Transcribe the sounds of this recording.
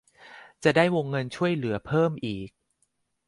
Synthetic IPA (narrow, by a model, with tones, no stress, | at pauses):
t͡ɕa˨˩daː˥˩jwo˧ŋːɤ˧nt͡ɕʰu˥˩əjlɯ˩˦ɐpʰɤː˥˩mʔiː˨˩k̚